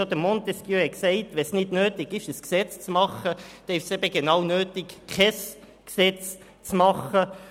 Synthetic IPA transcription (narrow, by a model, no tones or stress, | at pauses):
od̥̪əmontɛskjøːɛksɛɪtʋɛsnɪdnøːtɪɡɪʃəsksɛt͡st͡smɑχəd̥ɛɪʃsɛbəɡenɑwnøːtɪkkʰɛs | ksɛt͡s | t͡smɑχə